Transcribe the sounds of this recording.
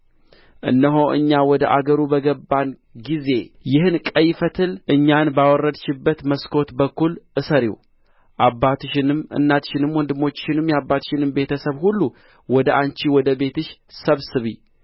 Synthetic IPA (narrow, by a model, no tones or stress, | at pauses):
ʔɨ̰nːəɦoʔɨ̰ɲːawɔd̪əʔaɡəɾubəɡəbːan | ɡize̞jɪhɨnkʼəjfət̪ʰɨlʔɨɲːanbawɔrːəd̪ʃɪbːət̪məskʰo̞t̪bəkːulʔɨsəɾḭw | ʔabːat̪ɨʃɪnɨmɨ̰nːat̪ʃɪnɨmwɔnd̪ɨmːo̞t͡ʃːʃɪnɨmjabːat̪ʃɪnɨmbe̞t̪ʰəsəβhulːu | wɔd̪əʔant͡ʃiwɔd̪əbe̞t̪ʰɨʃsəβsɨβi